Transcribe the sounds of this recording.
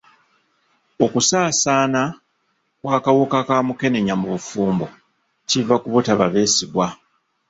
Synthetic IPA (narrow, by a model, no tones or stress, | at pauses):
o̞kusaːsaːna | kwaːkawukakaːmuke̞ne̞ɲamuβufuːmbo | civakuβutaβaβe̞ːsiɡwa